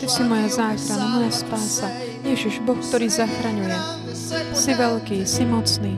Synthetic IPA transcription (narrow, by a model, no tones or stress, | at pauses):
t̪ɛsimɔjazaːxɾanamɔjaspaːsa | ɲɪɛʒɛʒbɔxkt̪ɔɾiːzaxɾaɲujɛ | siʋɛlkiːsimɔt͡sniː